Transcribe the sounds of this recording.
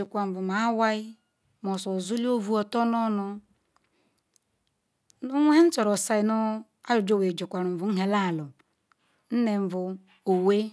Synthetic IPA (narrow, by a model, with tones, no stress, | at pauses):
o˨kʷa˨m̩˨vu˨ma˨˦wa˦i˦ | mɔ˨so˨zu˦li˦o˦vu˦ɔ˨tɔ˦nɔ˦nʊ˦ | nu˦ŋʷe˦e˦n̩˦t͡ʃɔ˨ɾɔ˨sa˦i˨nu˦ | a˦jo˨d͡ʒo˦we˨d͡ʒo˨kʷa˨ɾu˨m̩˨vu˨˦ɦe˨la˦˨lʊ˨ | n̩˦ne˨m̩˨vʊ˨ | o˨we˦